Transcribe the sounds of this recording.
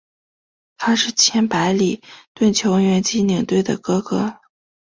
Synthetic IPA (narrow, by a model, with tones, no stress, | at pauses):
t̪ʰa˥ʂɻ̩˥˩t͡ɕʰjɛ˥npa˧˥ɪli˨˩t̪wə˥˩nt͡ɕʰjo˧˥ʊ˧˥ŋɥɛ˧˥nt͡ɕi˥ni˨˩ŋt̪we˥˩ɪd̪ə̰˩kɤ˥kɤ˥